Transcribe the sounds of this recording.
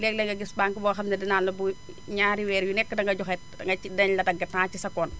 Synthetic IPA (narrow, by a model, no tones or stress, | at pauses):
lɛk̚lɐŋɡɐɡisbaːŋkibɔːɐxɐmnɐdinaːnlɐbu | ɲaːɾiwɛːɾjunɛkːədɐŋɡɐɟɔxɛt̚dɐŋɡɐidɐnlɐdɐɡɐtːaːt͡ʃisɐkɔːn